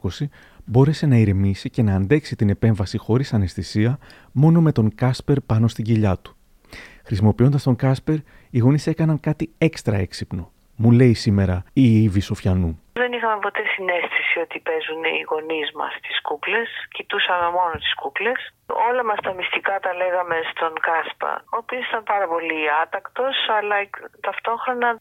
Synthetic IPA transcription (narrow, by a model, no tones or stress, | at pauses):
ko̞si | bo̞ɾe̞se̞nɐiɾemisice̞nɐːnd̪e̞ksit̪inepe̞ɱvɐsixo̞ɾisɐne̞st̪isiɐ | mo̞no̞me̞t̪o̞ŋkɐspe̞ɾpɐno̞st̪iɲɟiʎɐt̪u̥ | xɾisimo̞pio̞nd̪ɐst̪o̞ŋkɐspe̞ɾ | iɣo̞nise̞kɐnɐŋkɐt̪ie̞kst̪ɾɐ̰e̞ksipno̞ | mule̞isime̞ɾɐiːviso̞fçɐnu | ðe̞nixɐmepo̞t̪e̞sine̞st̪isiot̪ipe̞zunḭɣo̞nizmɐ̰st̪i̥skuple̞scit̪usɐme̞mo̞not̪i̥skuple̞so̞lɐmɐst̪ɐmist̪ikɐt̪ɐle̞ɣɐme̞st̪o̞nkɐspɐ̰o̞puisi̥t̪ɐmpɐɾɐpo̞liɐt̪ɐkt̪o̞sɐlɐt̪ɐft̪o̞xɾo̞nɐ